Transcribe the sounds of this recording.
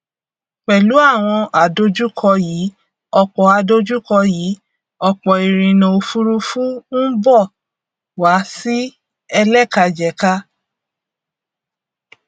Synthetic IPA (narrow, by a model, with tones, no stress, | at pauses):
k͡pɛ˨lu˨˦a˦˨w̃ɔ̃˧ʔa˨do˦d͡ʒu˦kʰɔ˧jiː˨˦ | ɔ˧k͡pɔ˨a˧do˦d͡ʒu˦kɔ˧jiː˨˦ | ɔ˧k͡pɔ˨i˨ɾ̃ĩ˨nõ˨o˧fu˦ɾu˦fũ˦n̩˦bɔ˦˨ | wa˨˦si˦ | ɛ˧lɛ˦˨ka˧d͡ʒɛ˨ka˦